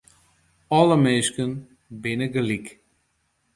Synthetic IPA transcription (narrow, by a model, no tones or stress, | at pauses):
ɔləmeːskən | bɪnəɡəlik